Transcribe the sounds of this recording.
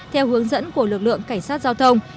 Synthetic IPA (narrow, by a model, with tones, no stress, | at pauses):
t̪ʰɛ˧whɨ˨˦əŋzə̰˧˥nku˧˩əlɨ˨˩k̚lɨ̰˧˨əŋka˧˩jŋ̟saː˦˥t̚z̥aː˧wt̪ʰə˧wŋ͡m